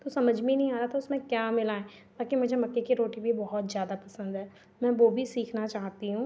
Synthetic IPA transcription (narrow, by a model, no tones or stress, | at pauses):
t̪osɐməd͡ʒʱmẽnɐɦĩaːɾat̪ʰaʊsmẽkjaːmɪlaːẽ | baːkimʊd͡ʒʱemɐkːekiɾoːʈibʱibɔɦɔt̪zjaːd̪apɐsə̃nd̪ɦɛː | mɛ̃ːʋoːbʱisiːkʰnat͡ʃaːɦt̪iɦũː